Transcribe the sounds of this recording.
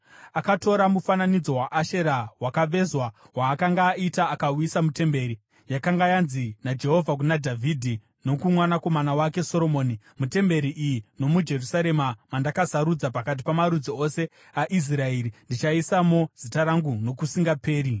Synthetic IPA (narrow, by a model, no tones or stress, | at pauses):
akato̞ɾamufananid͡zo̞waʔaʃe̞ɾawakaʋe̞zwa | waːkaŋɡaːitaːkauisamute̞mbe̞ɾi | jakaŋɡajanzinad͡ʒe̞ɦo̞vʱak̬unadʱavʱidʱi | no̞kumwanako̞manawake̞so̞ɾo̞moːni | mute̞mbe̞ɾiʔijino̞mud͡ʒe̞rusaɾe̞mamandakasaɾud͡zapakat̬i̥pamaɾud͡zio̞se̞ | aʔis̬rae̞ːɾindit͡ʃaisamo̞z̥itaɾaŋɡuno̞kusiŋɡape̞ːɾi